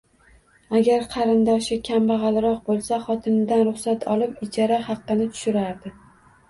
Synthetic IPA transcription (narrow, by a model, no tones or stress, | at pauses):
aɡʲaɾqʰɑɾɪnd̪ɒʃɪkʲʰambɑʁɑlɾɒq̚bolˠsaχɒt̪ʰɪnɪd̪anɾʊχsat̪ʰɒlˠɪpɪd͡ʒʰɒɾahɑqːɨnɪt̪ʰʊ̥ʃɪɾaɾd̪ɪ